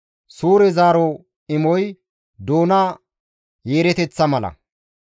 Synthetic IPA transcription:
suːɾɛzaːɾo | ɪmɔj | d̪oːnɐ | jeːɾɛt̪ɛt͡sːɐmɐlɐ̰

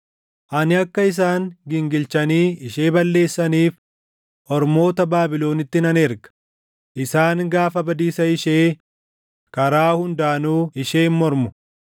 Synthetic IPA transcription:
ʔɐnɪɐkːɐɪs̬aːŋɡɪŋɡɪlt͡ʃɐniːɪʃe̞ːbɐlːe̞ːsːɐniːf | hɔɾmo̞ːt̪ɐbaːbɪlo̞ːnɪt̪ːɪnɐneɾɡɐ̥ | ʔɪsaːŋɡaːfɐbɐd̪iːsɐɪʃeː | kɐɾaːhʊnd̪aʔɐnuːɪʃeːnmɔɾmʊ

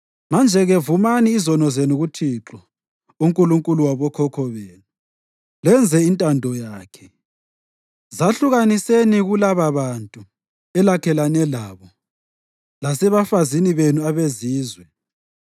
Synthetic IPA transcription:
mand͡ʒʱɛɣɛvumaniːzɔnɔzenuɣutʰiǁɔ | uŋkʼuluŋkʼuluwaβɔkʰɔkʰɔβeːnu | lɛnd͡zʱɛintʼandʱɔjaːkʰɛ̥ | zaɬuɣaniseniɣulaβaβantʼu | ɛlakʰɛlanɛlaːβɔ | lasɛβafaziniβenuaβeziːzwɛ

